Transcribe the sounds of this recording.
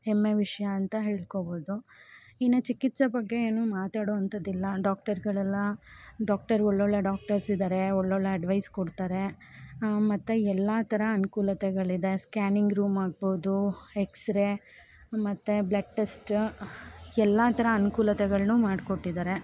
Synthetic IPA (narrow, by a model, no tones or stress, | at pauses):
hemːeʋiʂɐjɐɐnt̪ɐɦe̞ːɭkoboːd̪uinːɐt͡ʃikit̪sɐbɐɡːe̞eːnuːmaːt̪aːɽoːɐnt̪ɐd̪ilːɐɖaːk̚ʈɐɾɡɐɭɛlːɐɖaːk̚ʈɐɾɔɭːoɭːeɖaːk̚ʈɐɾsid̪aːɾe̞ɔɭːɔɭːeɐɖʋɐjskoɽt̪aːɾe | mɐt̪ːeɛlːɐt̪ʰɐɾɐːnukuːlɐt̪ɛɡɐɭid̪e̞skaːniŋɡɾuːmaːɡ̚boːd̪ueksɾe | mɐt̪ːeblɐʈʈesʈ | ɛlːɐt̪ʰɐɾɐɐnukuːlɐt̪ɛɡɐɭnuːmaːɖkoʈːid̪aːɾe̞